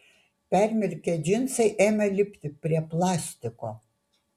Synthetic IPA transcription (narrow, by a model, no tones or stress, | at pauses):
pʲæɾʲmʲɪɾʲkʲɛd͡ʒʲɪnsɐɪʔeːmʲɛlʲɪpʲt̪ʲɪpʲɾʲiɛplˠɑːsʲt̪ʲɪkoː